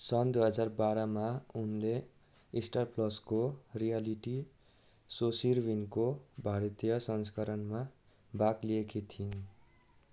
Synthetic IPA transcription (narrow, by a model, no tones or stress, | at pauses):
sʌnd̪ujɦʌd͡zarbaɾʌmaunle | isʈarplʌskorijaliʈi | sosirbinkobʱaɾʌt̪ijʌsʌnskʌɾʌnma | bakliekit̪ʰin